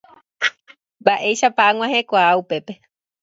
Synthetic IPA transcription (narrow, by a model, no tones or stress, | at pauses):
mbaʔe̞jʃapaaŋʷãɦe̞kʷaːupe̞pe̞